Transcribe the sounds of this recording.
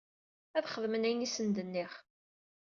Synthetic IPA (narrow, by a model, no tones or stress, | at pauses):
æðχəðmənæjnisənd̪ənːiχ